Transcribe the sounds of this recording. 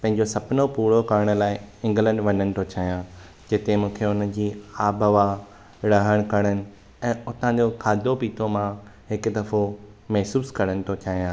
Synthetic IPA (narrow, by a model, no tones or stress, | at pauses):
pɐ̃ɦɪ̃ɲ̆d͡ʑosɐbʱnopuːɽokɐɾəɽ̃̆laːɪɪ̃ŋɡlə̃ɳɖʋɐnənɪ̆t̪ʰot͡ɕʰaːɦijãː | d͡ʑɪt̪emũːkʰeʊnə̆d͡ʑiːaːbʱəʋa | ɾɐɦəɽ̃kɐɽ̃ənɪ̆ | ɛ̃ːʊt̪ã̆d͡ʑokʰaːd̪ʱopiːt̪ʰomãɦɪkʊ̆d̪ɐɾfo | mɛɦsuːskɐɽ̃ənɪ̆t̪ʰot͡ɕʰaːɦijãː